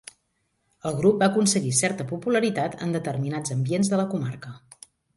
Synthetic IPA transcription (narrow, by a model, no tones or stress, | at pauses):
əlˠɣɾup̚baəkunsəɣisɛɾt̪əpupuləɾit̪at̪ʰə̰nd̪ət̪ərminad͡zəmbienzðələkumarkə